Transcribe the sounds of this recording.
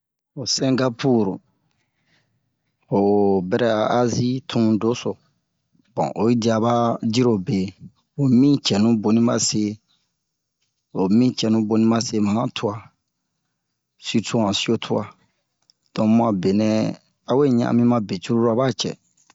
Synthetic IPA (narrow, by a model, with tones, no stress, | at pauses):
o˨sɛ̃˦ŋɡa˦pʰu˦˨ɾ | o˨bɛ˧ɾɛ˦a˨a˦zi˦tʰũ˦do˦so˨ | b̥ɔ̰̃˨ʔo˨i˦di˨˦a˧ba˦d͡ʒi˦ɾo˨be˨ | o˨mĩ˦t͡ʃɛ˨nũ˦bo˨nĩ˦ma˦se˦ | o˨mĩ˦t͡ʃɛ˨nũ˦bo˨nĩ˦ma˦se˦mã˨ã˦tʰu˦a˧ | si˦tu˦ã˨si˦o˦tʰu˦a˨ | d̥ɔ̃˨mã˨be˨nɛ̃˨ | a˨˦we˦˨ɲã̰˦˨a̰˨mĩ˦mã˦be˨t͡ʃu˦ɾu˦ɾa˦ba˦t͡ʃɛ̰˨